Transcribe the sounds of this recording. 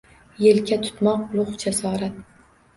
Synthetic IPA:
jelkʲat̪ʰʊ̥t̪mɒq̚ʊlˠʊχd͡ʒasɒːɾat̪

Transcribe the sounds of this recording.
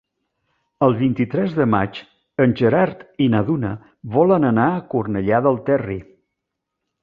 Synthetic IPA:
əlˠβint̪it̪ɾɛzðəmat͡ʃ | ənʲʒəɾaɾt̪inəðunə̰ | βɔlənənaəkurnəʎaðəlˠt̪ɛri

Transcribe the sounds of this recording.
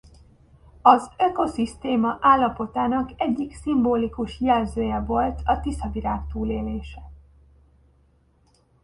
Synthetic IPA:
ɒzøko̞sist̪eːmɒʔaːlːɒpo̞t̪aːnɒkɛɟːiksimboːlikuʃjɛlzøːjɛvo̞lt̪ʰɒt̪isɒviɾaːkt̪uːleːleːʃɛ

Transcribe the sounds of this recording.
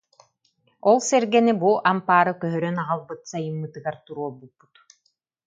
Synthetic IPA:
ɔlˠsɛɾɡɛnibuʔampaːɾɯkœɦœɾœnaʁalˠbɯt̪sajɯmːɯt̪ɯɡaɾt̪uɾuɔbubu̥t̪

